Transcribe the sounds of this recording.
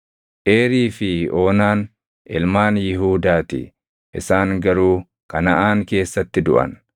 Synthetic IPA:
ʔe̞ːɾiːfɪo̞ːnaːn | ʔɪlmaːnjɪɦuːd̪aːt̪ɪ̰ | ʔɪsaːŋɡɐɾuː | kɐnɐʔaːŋke̞ːsːɐt̪ːɪd̪ʊ̰ʔɐ̰n

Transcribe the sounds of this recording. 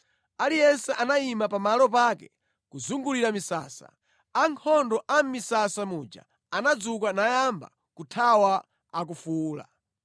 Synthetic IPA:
alijɛnsɛʔanaimapamalɔp̬akɛ̰ | kuzuŋɡuliɾamisa̰ːsa̰ | aŋkʰɔndɔʔam̩misasamud͡ʒa̰ | anad͡zukanajamba̰ | kutʰawa | ak̬ufuːla̰

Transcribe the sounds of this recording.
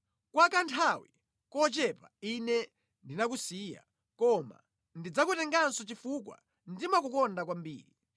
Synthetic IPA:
kwakantʰawi | kɔt͡ʃɛpainɛ | ndinak̬usiːja̰ | kɔma̰ | ndid͡zakutɛŋɡansɔt͡ʃifukwa̰ | ndimakukɔndakwambḭːɾi

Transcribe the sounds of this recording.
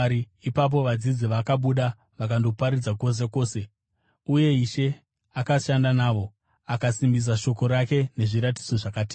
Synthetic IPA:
ɾi | ipap̬o̞ʋad͡zid͡ziʋakaɓuɗa | ʋakandopaɾid͡zako̞s̬e̞ko̞ːse̞ | uje̞iʃe̞ | akaʃandanaːʋo̞ | akasimbis̬aʃo̞ko̞ɾake̞ne̞ʐiɾati̥d͡zo̞ʐakaːti

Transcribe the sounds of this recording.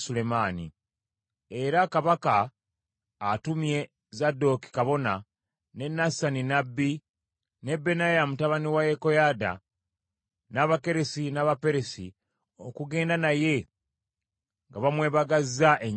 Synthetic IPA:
sule̞manḭ | e̞ɾakaβakaː | tumje̞ | zado̞ki̥kaβo̞na | ne̞nasaninabːi | ne̞bːe̞najamutaβaniwajeko̞jada̰ | naβake̞ɾesinaːβape̞ɾesḭ | o̞kuɡe̞ːndanaje̞ | ŋɡaβamwe̞ːβaɡazːaʔeɲ

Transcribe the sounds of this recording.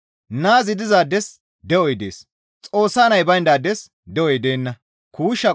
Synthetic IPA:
naːzɪd̪ɪzaːd̪ɛs | d̪ɛɔjd̪e̞̰ːs | t͡sʼo̞ːsːaːnɐjbɐjnd̪aːd̪ɛs | d̪ɛʔɔjd̪e̞ːnːɐ | kʰuːʃːɐ

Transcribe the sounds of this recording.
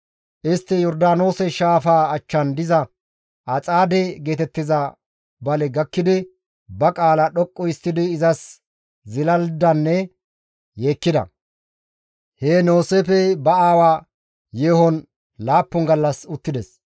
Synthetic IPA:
ʔɪst̪ːɪjɔɾd̪aːno̞ːsɛʃaːfaːɐt͡ʃːɐnd̪ɪzɐ | ʔɐt͡sʼaːd̪ɛɡe̞ːt̪ɛt̪ːɪzɐ | bɐlɛɡɐkːɪd̪ɪ | bɐkʼaːlɐɗɔkʼːɔɪst̪ːɪd̪ɪːzɐs | zɪlɐld̪ɐnːɛ | jeːkːɪd̪ɐ̰ | heːno̞ːseːfɛbɐaːwaː | jeːhɔn | laːpːɔŋɡɐlːɐsʊt̪ːɪd̪ɛs

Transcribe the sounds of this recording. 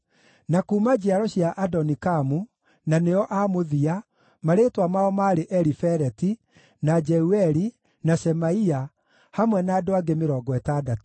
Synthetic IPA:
nakuːmad͡ʒiaɾɔɕiaʔadɔnikamu | naneɔʔamoðia | maɾetwamaɔmaɾeʔɛɾifɛɾɛti | nad͡ʒɛuɛɾi | nasɛmaia | hamwɛnaːdoaɡemeɾɔːɡɔɛtaːdato̥

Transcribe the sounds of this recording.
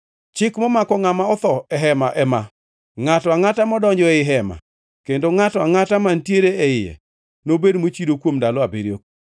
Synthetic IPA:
t͡ʃɪkmɔmakɔŋamaɔt̪ɔɛɦɛmaʔɛma | ŋatɔaŋatamɔdɔɲd͡ʒɔɛɪɦɛma̰ | kendoŋatɔaŋatamantjeɾeɛɪjɛ̰ | nobedmot͡ʃidokwomdalɔabeɾjo̰k̚

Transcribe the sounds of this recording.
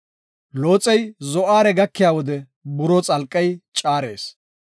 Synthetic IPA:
lo̞ːt͡sʼɛjzɔʔaːɾɛɡɐkːɪjaːwɔd̪ɛ | bʊɾɔt͡sʼɐlkʼːɐjt͡ʃʼaːɾe̞ːs

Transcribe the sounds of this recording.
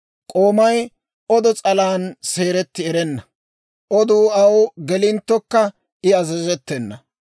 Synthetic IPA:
kʼo̞ːmɐj | ɔd̪ɔt͡sʼɐlaːnse̞ːɾɛt̪ːɪɛɾɛnːɐ | ʔɔd̪uːɐwɡɛlɪnt̪ːɔkːɐ | ɪɐzɛzɛt̪ːɛnːɐ

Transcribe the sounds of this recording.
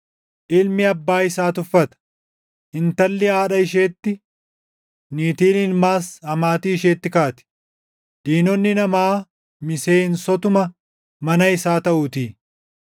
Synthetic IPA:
ʔɪlmɪɐbːaːɪsaːt̪ʊfːɐt̪ɐ̥ | ʔɪnt̪ɐlːɛaːᶑɐɪʃeːt̪ːɪ | niːt̪iːlɪnmaːshɐmaːt̪iːɪʃeːt̪ːɪkaːt̪ɪ̥ | d̪̥iːnɔnːɪnɐmaː | mɪseːnsɔt̪ʊmɐ | mɐnɐɪsaːt̪ɐʔuːt̪iː

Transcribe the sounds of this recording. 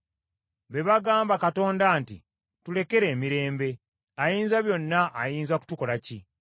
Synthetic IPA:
βe̞βaɡaːmbakato̞ːndaːntḭ | tule̞ke̞ɾe̞ːmiɾe̞ːmbe̞ | ajiːnzaβjo̞nːaʔːjiːnzaku̥tuko̞laci

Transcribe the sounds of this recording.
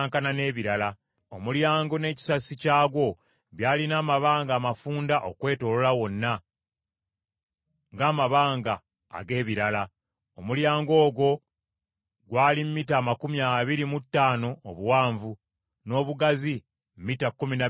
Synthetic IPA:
ŋkanane̞ːβiɾala | omuljaːŋɡo̞ne̞ːci̥sasicaːɡwo̞ | βjaːlinaːmaβaːŋɡaːmafuːndaʔo̞kwe̞ːto̞lolawo̞nːa | ŋɡaːmaβaːŋɡa̰ː | ɡe̞ːβiɾala | omuljaːŋɡo̞ːɡwo̞ | ɡwaːlimmːiːtaːmakumjaβiɾimutːaːno̞ːβuwaːɱvu | no̞ːβuɡazi | m̩miːtakːumina

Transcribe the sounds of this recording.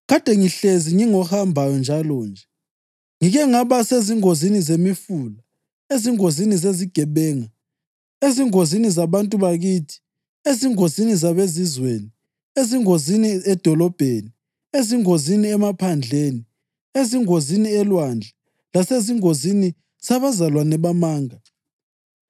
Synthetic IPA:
ɣad̥ʱɛŋiɬeziŋiŋɔhambʱajɔnd͡ʒʱalɔːnd͡ʒʱɛ | ŋiɣɛŋaβaseziŋozinizemifuːla | eziŋozinizeziɡ̥ʱɛβɛːŋa | eziŋozinizaβantʼuβaɣiːtʰi̥ | eziŋozinizaβezizweni | eziŋoziniɛd̥ʱɔlɔb̥ʱeni | eziŋoziniɛmapʰand͡ɮʱeːni | eziŋoziniɛlwand͡ɮʱɛ | laseziŋozini | saβazalwanɛβamaːŋa

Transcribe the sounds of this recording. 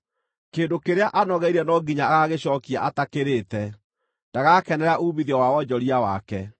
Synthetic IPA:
keːndokeɾeaʔanɔɣɛiɾɛnɔɡiɲaaɣaɣeɕɔːkia̰ʔatakeɾetɛ | nd̥aɣakɛnɛɾaʔuːmiðɛwawɔd͡ʑɔɾiawa̰kɛ

